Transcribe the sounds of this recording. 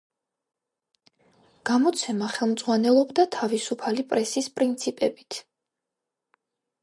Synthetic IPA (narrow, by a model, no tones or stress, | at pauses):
ɡ̥amɔt̪sʰɛmaχɛlˠmd̪z̥ʼʁwanɛlˠɔbd̪at̪ʰavisupʰalipʼɾɛsispʼɾint̪sʰipʼɛbit̪ʰ